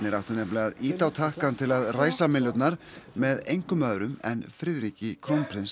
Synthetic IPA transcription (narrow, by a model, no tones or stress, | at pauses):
nɪɾaw̥ht̪anɛplaɣaðiːt̪awt̪ʰahkant̪ʰɪlaðraːjsamɪnlœt̪naɾ̥ | mɛðejŋkʏmaːðɾʏmɛ̰nfɾɪðɾicɪkʰɾownpʰɾɪns